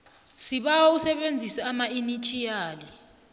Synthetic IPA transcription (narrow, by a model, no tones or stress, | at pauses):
siɓausɛɓend͡zʱisɛamainit͡ʃʼijaːli